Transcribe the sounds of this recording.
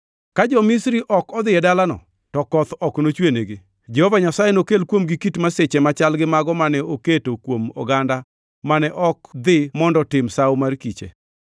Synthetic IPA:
kad͡ʒɔmisɾiʔɔkɔd̪ɪɛdalanɔ̰ | tɔkɔt̪ɔknot͡ʃweneɡɪ | d͡ʒehovaɲasajenokelkwomɡikitmaset͡ʃemat͡ʃalɡɪmaɡɔmanɛoketokwomɔ̰ɡanda | manɛʔɔkd̪ɪmɔndɔtɪmsawmarkit͡ʃḛ

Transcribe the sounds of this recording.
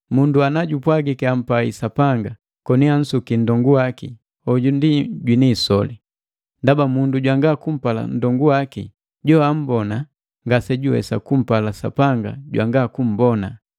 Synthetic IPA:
munduanaɟupwaɡikɛam̩paḭsapaŋɡa | kɔnian̩sukin̩dɔŋɡuwakḭ | ɔɟundiɟwinisɔli | ndabamunduɟwaŋɡakum̩pala̰n̩dɔŋɡuwaki | ɟɔam̩bɔna | ŋɡasɛɟuwɛ̰sakum̩palasa̰paŋɡa̰ɟwa̰ŋɡakum̩bɔna

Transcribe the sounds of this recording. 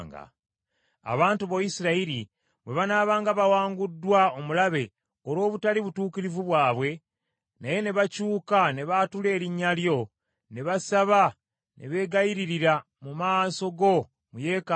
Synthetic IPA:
ŋɡa̰ | a̰βaːntuβojisiɾaiɾi | βwe̞βanaːβaːŋɡaβawaːŋɡudːwaomulaβe̞ | oɾo̞ːβutaliβutuːkiɾivuβwaːβwe̞ | naje̞ne̞βacuːkane̞βatule̞ːɾiɲːaljo̞ | ne̞βasaβa | nʔe̞̰βe̞ːɡajiɾiɾiɾa | mumaːso̞ɡo̞ | muje̞ːka

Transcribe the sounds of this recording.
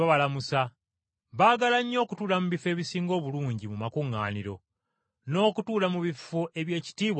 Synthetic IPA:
aβalamusa | βaːɡalaɲːo̞ːkutuːlamuβife̞ːβisiːŋɡo̞ːβuluːɲɟimumakuŋːa̰ːniɾo̞̰ | no̞ːkutuːlamuβifoʔe̞βje̞ːci̥tiːβw

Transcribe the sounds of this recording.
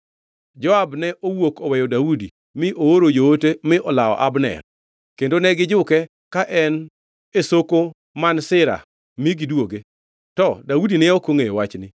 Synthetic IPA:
d͡ʒɔabnɛʔowokɔwɛjɔdaudi | mɪʔooɾod͡ʒootemɪʔɔlaɔ̰ʔabnɛ̰r | kendonɛɡɪd͡ʒʊkɛ | kaʔɛn | esoko | mansɪɾa̰ | miɡɪdwoɡe | tɔdaudinɛokoŋejwat͡ʃnɪ

